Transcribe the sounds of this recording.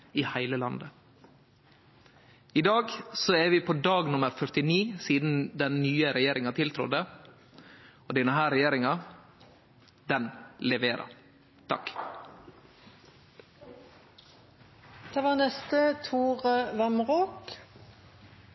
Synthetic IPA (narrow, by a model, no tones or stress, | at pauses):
iːhæɪləlɑnd̪ə | ɪd̪ɑːɡsoɛʋiːpʰoːd̪ɑːɡnʊməɾfœɾt̪ɪniːsiːd̪n̩d̪ɛnnyːəɾɛjeːɾɪŋɑt̪ʰɪlt̪ʰɾʊ̰d̪ə | oːd̪iːnəɦæːɾɛjeːɾɪŋɑ | d̪ɛnlɛʋeːɾʔɑ̰ɾ | t̪ʰɑ̰k | d̪̥eːʋæːʁnɛst̪ət̪ʰuːʁəʋæmʁoːk